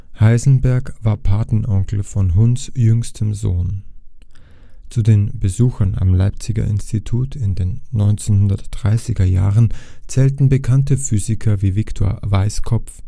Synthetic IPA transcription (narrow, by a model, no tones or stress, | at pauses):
haɪzn̩bɛɐkv̥aːɐpʰaɐtn̩ʔɔŋkl̩fɔnɦʊnsjʏŋstʰəmzoːn | t͡sudeːnbəzuːxɐna̰mlaɪp̚t͡sɪɡɐ̰ʔɪ̰nstʰitʰuːtʰɪndeːnːɔʏnt͡senhʊndɐtd̥ʁaɪsɪɡɐja̰ːʁənt͡sɛːltn̩bəkʰantəfyːzɪkʰɐviːvɪktʰo̰ːɐvaɪskʰɔpp͡f